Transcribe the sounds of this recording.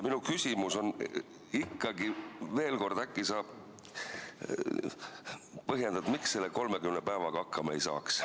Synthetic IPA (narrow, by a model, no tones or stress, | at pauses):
minukysʲimuso̞n | ikːɑɡive̞ːlko̞rd̪̥ækˑːisɑːb̥ | pɤɦjend̪̥ɑd̪̥miksse̞lːeko̞lmekymnepæevɑɡ̥ɑɑkːˑɑmɑejsɑ̰ːks